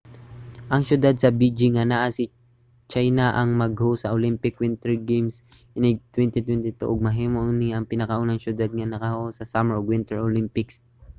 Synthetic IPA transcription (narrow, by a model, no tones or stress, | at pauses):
ʔɐŋʃjʊd̪ad̪̚sɐbid͡ʒɪŋanaʔasɪ | t͡ʃajnaʔɐŋmɐɡhosɐʔolɪmpɪkwɪnt̪ɛɹɡejms | ɪnɪt̪wɛnt̪ɪt̪wɛnt̪ɪt̪o̰ʔoɡ̚mɐɦiːmoʔnɪʔɐŋpɪnɐkɐʔonɐŋʃʊd̪ad̪̚ŋɐnɐkɐhosɐsamɛɹɡwɪnt̪ɛɹʔolɪmpɪks